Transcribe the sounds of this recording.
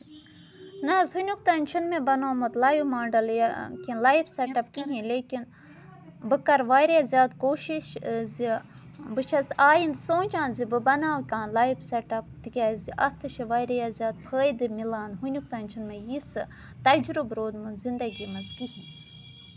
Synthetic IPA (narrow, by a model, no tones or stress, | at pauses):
nɐzhunʲukt̪aːnʲt͡ʃʰinmebɐnaːmɨt̪laːjimaːɳɖɐljakʲinlaːjibsɐʈɐp̚kiɦĩleːkin | bɨkɐɾʋaːjɾjazʲjaːd̪koːʃiʃzi | bɨt͡ʃʰɐsaːjind̪sõːnʲt͡ʃãːnzibɨbɐnaːwkʲãːnlaːjibsɐʈɐpt̪ikʲaːziʔɐt̪ʰɨʃiʋaːjɾɐjazʲjaːd̪̚pʰəːjd̪ɨmilaːnɦunʲuk̚t̪aːnʲt͡ʃʰinmejit͡sʰɨ | t̪ɐd͡ʒɾubɾoːd̪munzind̪ɐɡimɐzɡiɦĩ